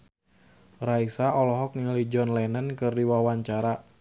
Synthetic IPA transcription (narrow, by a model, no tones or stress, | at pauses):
raisaɔlɔɦɔk̚ŋəlid͡ʒɔnlɛnankɨrdiwawaɲt͡ʃaɾa